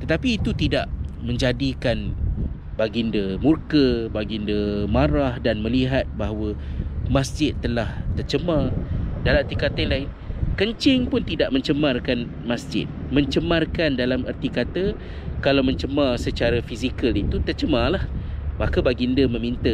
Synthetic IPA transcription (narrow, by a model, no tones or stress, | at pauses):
t̪ət̪apiːt̪ut̪ida̰ʔmə̃ɲd͡ʒadikan | baɡindəmurkəbaɡindəmaɾahdanmə̃liɦat̪̚baɦawəmãsd͡ʒɪt̪ːəlaht̪ərt͡ʃəmãdalamərt̪ikat̪ajlaɪn | kəɲt͡ʃɪŋpʊnt̪idaʔmə̃ɲt͡ʃəmarkan | masd͡ʒɪ̰t̪̚mə̃ɲt͡ʃəmarkandalamə̰rt̪ikat̪ə | kalawmə̃ɲt͡ʃəmãsət͡ʃaɾafisikəlit̪ut̪ərt͡ʃəmãlahmakəbaɡindəmə̃mint̪ə